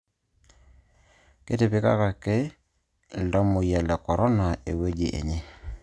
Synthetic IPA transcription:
ke˦tɪ˨pɪ˦ka̰˦ka˨ke˦˨ | ldɔ˦mʊ˨jɛ˨lɛ˨kɔ˨ɾʔɔ˦na˨e˨we˦d͡ʒi˨ʔḛ˨ɲe˦

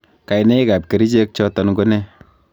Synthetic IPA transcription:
ka˨jnɛ˦i˦ka˨p̚ke˨ɾi˦t͡ʃe˦k̚t͡ʃɔ˦tɔ˨nɡo˦nɛ˦

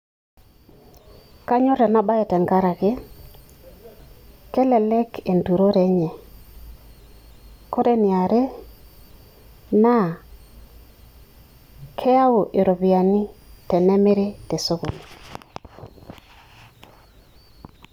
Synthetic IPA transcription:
ka˦ɲo˦ɾɛ˨na˦ba˦ɛ˨tɛ˨ŋɡa˦ɾa˨ke˦ | kɛ˦lɛ˨lɛ˦ke˨ndu˨ɾo˦ɾɛ˨ɲɛ˨ | ko˦ɾe˦nɪ˨a˨ɾe˦ | na˦˨ | kʰɛ˦a˦o˨ʔe˨ɾo˨bi˨a˨ni˦tɛ˨nɛ˦me˦ɾe˦te˨so˦ɣo˨ni˨

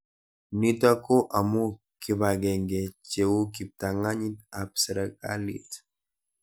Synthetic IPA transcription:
ni˦ta˦ko˦ʔa˨mu˦ | ki˨ba˨ɡɛ˨ŋɡe˨t͡ʃewu˦ki˨p̚t̪a˨ŋa˦ɲi˦ta˨psə˨ɾakʼa̰˦lḭt

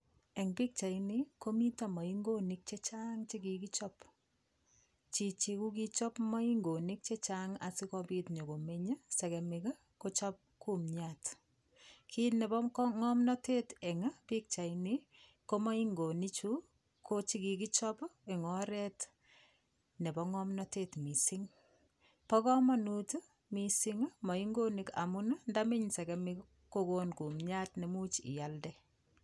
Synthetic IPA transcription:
ɛ˨ŋpi˦k̚t͡ʃa˨ini˦ko˦mi˦ta˦ma˨i˦ŋɡo˦ni˦k̚t͡ʃe˦t͡ʃa˦ŋt͡ʃi˦ki˨ki˦t͡ʃɔ˦p | t͡ʃi˨t͡ʃi˨ku˦ki˦t͡ʃɔ˦pma˦i˦ŋɡo˨ni˦k̚t͡ʃe˦t͡ʃaŋa̰˨sɪ˦kɔ˦pi˦tɲo˨ko˨me˦ɲa˦sɛ˨kɛ˨mɪ˨ka˦ | ko˦t͡ʃɔ˦p̚ku˦mɲat | kʰi˦tnɛ˨bɔ˦mkŋɔ˦mnɔ˦te˦tɛ˨ŋa˦pi˦k̚t͡ʃa˨ini˦ | ko˦mɔ˦iŋɡo˨ni˦t͡ʃu | kʰo˦t͡ʃi˦ki˨ki˦t͡ʃɔ˦pɪ˨ŋɔ˦ɾɛ˦t | ne˨bɔ˦ŋɔ˦mnɔ˦tetmi˨siŋ | pɔ˦kɔ˦mɔ˦nut | misi˦ŋmɔ˨i˦ŋɡo˦ni˨ka̰˨mʊna˦ndamɪ˦ɲsɛ˨kɛmɪ˦k | ko˦konku˨mɲa˦tne˨mu˦t͡ʃḭ˨ja˨ldɛ

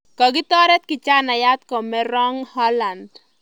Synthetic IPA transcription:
kɔ˨ɡɪ˦t̪ɔ˦ɾɛ˦t̪̚kɪ˨t͡ʃa˦na˨ja˦t̪̚kɔ˨mɛ˦ɾɔ˦ŋhɔ˦la˨nd

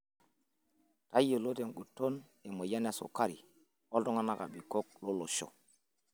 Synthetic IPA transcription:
ta˦je˨lo˦te˨nɡu˨tːo˦n | e˨mo˨ja˦na˦˨so̰˨ka˦ɾḭ˨ | o˦lto˦ŋa˦na˦ka̰˨ɓi˨ko˦k̚lo˦lo˨ʃo̰˨

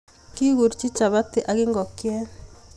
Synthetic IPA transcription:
ki˦ɣu˨ɾt͡ʃi˦t͡ʃa˨βa˦tɪ˨ʔa˨ɣɪ˦ŋɡɔ˨kjɛ˦

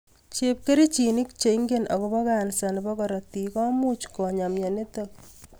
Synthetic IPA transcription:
t͡ʃep̚ke˦ɾi˦t͡ʃini˦k̚t͡ʃe˨iŋɡenɔ˨kɔbɔ˦kansa˨nbɔ˦kɔɾɔ˨ti˨kɔ˦mu˦t͡ʃkɔ˨ɲamja˨ne˦tok̚

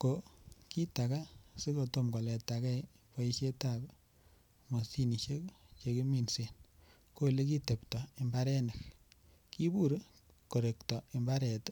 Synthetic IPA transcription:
ko˨ki˦ta˨ka˦si˦ko˨to˦mɡɔ˨lɛ˨takɛ˦ | pa˦i˦ʃe˦tab | mo˨si˦ni˨ʃe˦kt͡ʃe˨ki˦mi˨nse˨n | ko˦˨le˦ki˦te˨ptɔ˨i˨mba˦ɾɛ˦ne˨k | ki˦bu˦ɾ | ko˨ɾe˨ktɔ˨i˨mba˦ɾɛ˨t

